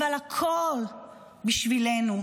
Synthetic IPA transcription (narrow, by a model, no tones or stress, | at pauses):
alakʰol | biʃvilenu